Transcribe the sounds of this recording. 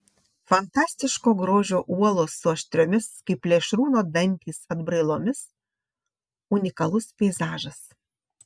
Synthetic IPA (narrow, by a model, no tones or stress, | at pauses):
fɐnt̪ɑːsʲt̪ʲɪʃkoːɡɾoːʒʲoːʔuɔlˠoːsʊɐʃʲt̪ʲɾʲoːmʲɪskɐɪplʲeːʃɾuːnoːd̪ɐnʲt̪ʲiːsɐd̪bɾɐɪlˠoːmʲɪs | ʊnʲɪkɐlˠʊspʲɛɪzɑːʒɐs